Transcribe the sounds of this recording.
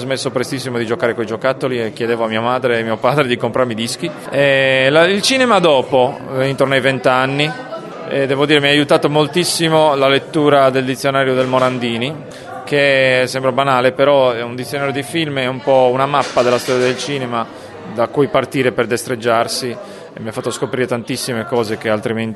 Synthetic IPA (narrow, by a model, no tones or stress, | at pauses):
zmesːopɾest̪isːimod̪id͡ʒokaːɾekoid͡ʒokat̪ːoliekːjed̪eːvoamiːamaːd̪ɾeːmiːopaːd̪ɾed̪ikompɾaɾmid̪isk̟i | ɛlailt͡ʃiːnemad̪ɔːpo | int̪ornoajvent̪anːi | ɛd̪ɛːvod̪iɾemiaːjut̪aːt̪omolt̪isːimolalet̪ːuːɾad̪eld̪it̪sːjonaːɾjod̪elmoɾand̪iːni | kesɛmbɾabanaːlepeɾɔɛund̪it̪sːjonaːɾjod̪ifilmɛumpɔunamapːad̪elast̪ɔːɾjad̪elt͡ʃiːnema | d̪akujpart̪iːɾeperd̪est̪ɾed͡ʒːarsi | emiafat̪ːoskopɾiːɾet̪ant̪isːimekɔːzekealt̪ɾiment̪